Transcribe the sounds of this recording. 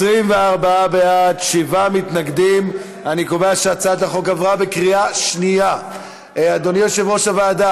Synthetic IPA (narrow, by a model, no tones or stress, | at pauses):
sʁimveaʁbaabeatʃivamit̪naɡd̪im | anikoveaʃeat͡sad̪aχo̞kavʁabekʁiaʃnija | ad̪onjoʃevʁo̞ʃavaːd̪a